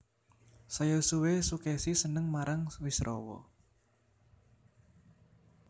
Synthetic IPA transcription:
sajosuwesukesisənəŋmaɾaŋwɪsrʔɔ̰wɔ̰

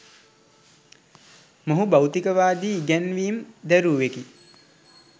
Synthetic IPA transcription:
moɦubawt̪ikəʋaːd̪iːɡænʋiːmd̪æɾuːʋeki

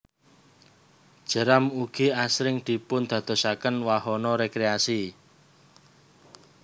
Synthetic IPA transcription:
d̥ʒ̥ə̤ɾamuɡ̥iasɾɪŋd̪̥i̤pʊnd̪̥ä̤d̪̥ɔ̤sakənwahɔnɔɾekɾeasi

